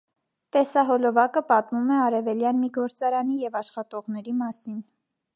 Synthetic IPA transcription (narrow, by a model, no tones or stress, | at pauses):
t̪ɛsɑɦɔlɔvɑkəpɑt̪mumɛɑɾɛvɛljɑnmiɡɔɾt͡sɑɾɑnijɛvɑʃχɑt̪ɔʁnɛɾimɑsin